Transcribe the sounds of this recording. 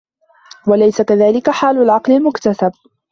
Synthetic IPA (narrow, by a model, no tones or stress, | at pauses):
walajsakaðaːlɪkaħaːlʊlʕɑqlalmʊkt̪asab̚